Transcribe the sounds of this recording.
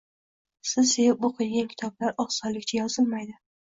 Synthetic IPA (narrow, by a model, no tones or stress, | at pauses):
sɪzsejɪp̚bʊqʰɨlˠɡʲankʲʰɪ̥t̪ʰɒblaɾɒχsɒlɪkʲt͡ʃʰajɒzɪlmajd̪ɪ